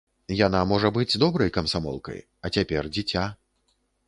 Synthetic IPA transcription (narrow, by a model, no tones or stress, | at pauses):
janamɔʐɐbɨd͡zʲd̪ɔbɾɐjkɐmsamɔ̰lˠkɐ̰j | ɐt͡sʲapʲɛrd͡zʲit͡sʲa